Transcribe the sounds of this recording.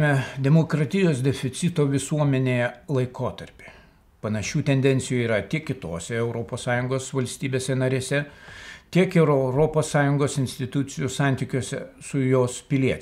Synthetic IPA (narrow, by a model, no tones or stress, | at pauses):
mʲɛd̪ʲɛmoːkɾɐt̪ʲɪjoːsd̪ʲɛfʲɪt̪sʲɪt̪oːʋʲɪsuɔmʲɛnʲelˠɐɪkoːt̪ɐɾʲpʲe | pɐnɐʃʲuːt̪ʲɛnʲd̪ʲɛnʲsʲɪjuːiːɾɐt̪ʲiɛkʲkʲɪt̪oːsʲɛɛʊɾoːpoːssɑːjʊŋɡoːsʋɐlʲsʲt̪ʲiːbʲeːsʲɛnɐɾʲeːsʲɛt̪ʲiɛkɛʊɾɛʊɾoːpoːsːɑːjʊŋɡoːsɪnʲsʲt̪ʲɪt̪ʊt̪sʲɪjusɑˑnʲt̪ʲiːkʲuːsʲɛ̰sʊjoːspʲɪlʲiɛt͡ʃ